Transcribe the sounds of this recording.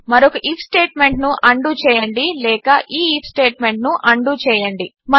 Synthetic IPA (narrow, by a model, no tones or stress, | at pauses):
mɐɾokɐʔiːpʰsʈeːʈme̞ɳʈnuʔɐɳɖut͡ʃɛːjɐɳɖilɛːkɐʔiːiːpʰsʈeːʈ̚me̞ɳʈ̚nuʔɐɳɖut͡ʃɛːjɐɳɖi | mɐ